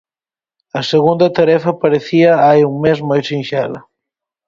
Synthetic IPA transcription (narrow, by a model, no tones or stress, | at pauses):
ɐseɣund̪ɐt̪ɐɾɛfɐpɐɾeθiaajuŋmezmojsinʲʃalɐ